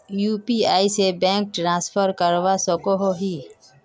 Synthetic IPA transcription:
juːpiaːisebɛ̃ːŋk̚ʈɾãːspʰəɾkəɾʋasəkoɦoɦi

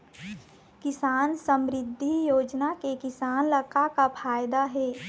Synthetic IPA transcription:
kɪsaːnsəmɾɪd̪ʱːijoːd͡ʒnakekɪsaːnləkakapʰaːjd̪aɦɛː

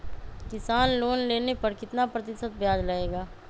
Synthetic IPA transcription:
kɪsaːnloːnleːnepɐɾkɪt̪napɾɐt̪ɪsət̪̚bjaːd͡ʒlaeːɡaː

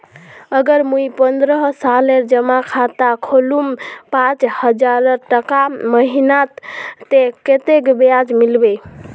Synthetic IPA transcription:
əɡəɾmuipənd̪ɾəɦsaleɾd͡ʒəmakʰat̪akʰolumpãt͡ʃhəd͡ʒaɾəɾʈəkaməɦinat̪ːeket̪ekbead͡ʒmilbe

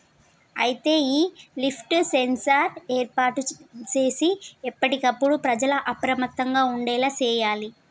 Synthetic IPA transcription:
ɐ̰jit̪e̞ːiːlipʰʈsensɐɾeːɾpaːʈːut͡ʃe̞ːsiɛpːɐʈikɐpːuɽupɾɐd͡ʒɐlɐʔɐpɾɐmɐt̪ːɐŋɡaːuɳɖɛːlaːt͡ʃɛːjaːli

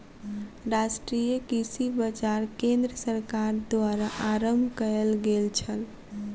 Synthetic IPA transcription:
ɾasʈɾijəkisibəd͡ʒaɾkẽnd̪ɾəsəɾkaɾd̪aɾaʔaɾəmbʱkəelɡelt͡ʃʰəl

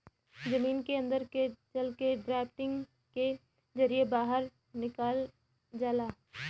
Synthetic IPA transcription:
d͡ʒɐmiːnkeɐ̃nd̪əɾket͡ʃɐlkeɖɾɛːpʈɪ̃ŋɡ | ke | zɐɾiebaːɦəɾ | nɪkaːl | d͡ʒaːlaː

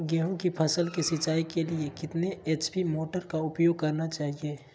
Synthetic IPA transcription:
ɡɛːɦõkipʰɐsəlkisɪt͡ʃaːikeliekɪt̪neeːt͡ʃbimoːʈəɾkaʊpjoːɡ̚kɐɾnat͡ʃaːɦieː

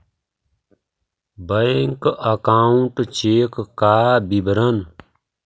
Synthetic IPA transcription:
bəeŋkəkaːuɳʈt͡ʃeːkːaːbibɾən

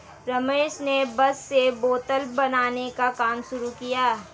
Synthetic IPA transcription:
ɾɐmeːʃnebɐsːeboːt̪əlbɐnaːnekakaːmʃʊɾukijaː

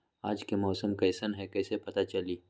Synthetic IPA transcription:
aːd͡ʒkemɔːsəmkɐːsənɦɛkɛːsepɐt̪at͡ʃɐliː

